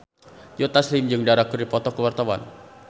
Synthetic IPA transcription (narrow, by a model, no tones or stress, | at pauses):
jot̪aslɪmd͡ʒɨŋdaɾakuripɔt̪ɔkəwart̪awa̰n